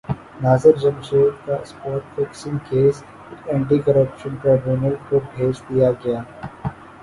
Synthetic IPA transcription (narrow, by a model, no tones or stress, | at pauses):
naːsəɾd͡ʒɐ̃mʃeːɾkaɪspɔːɾʈfɛːksɪ̃ŋkeːs | ɛ̃ːɳʈikɐɾəpʃə̃nʈɾaːbjuːnəlkobʱeːt͡ʃd̪ijaɡɐjaː